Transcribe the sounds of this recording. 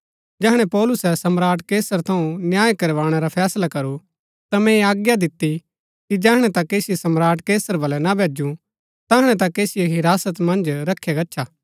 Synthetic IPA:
d͡ʒɛɦɽ̃ɛ̃pɔːlʊsɛsɐmɾaːʈkeːsəɾt̪ʰɐũnjaːjkɐɾʋaːɽ̃ɛɾapʰɛːslakɐɾu | t̪amɛ̃aːɡjad̪ɪt̪ːi | kid͡ʒɛːɦɽ̃ɛ̃t̪ɐkeːsɪjesɐmɾaːʈkeːsəɾbɐlɛnabʱeːd͡ʒũ | t̪ɛɦɽ̃ɛ̃t̪̬ãkeːsɪjeɦɪɾaːsət̪mɐ̃nd͡ʒɾɐkʰːjeɡɐtːʃʰaː

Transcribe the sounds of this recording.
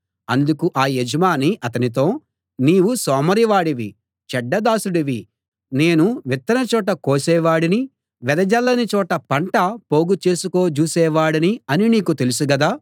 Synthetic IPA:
ɐnd̪ukuʔaːjed͡ʒɐmaːniʔɐt̪ɐnit̪o̞ː | niːʋusɔːmɐɾiʋaːɽiʋi | t͡ʃɛɖːɐd̪aːsuɽiʋi | ne̞ːnuʋit̪ːɐnɐt͡ʃɔːʈ̬ɐkoːsɛːʋaːɽini | ʋɛd̪ɐd͡ʒɐlːɐnit͡ʃɔːʈɐpɐɳʈɐpo̞ːɡut͡ʃe̞ːsuko̞ːt͡ʃuːsɛːʋaːɽɐniɐniniːkut̪e̞lusuɡɐd̪aː

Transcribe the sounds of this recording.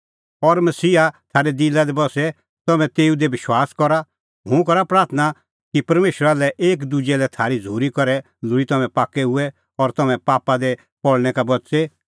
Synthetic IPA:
ɔɾmɐsiːat̪ʰaːɾed̪ilad̪ebɔsɛ | t̪ɐmɛ̃t̪eːud̪ebɪʃwaːskɔɾa | ɦʊ̃kɔɾapɾaːɾt̪ʰna | kipɐɾmeːʃəɾalɛʔeːk̬d̪ud͡ʒɛlɛt̪ʰaːɾid͡zʱuːɾikɔɾɛ | lʊɾit̪ɐmɛ̃paːkːɛɦʊɛ | ɔɾt̪ɐmɛ̃paːpad̪ɛ | pɔɽñɛkabɔtse

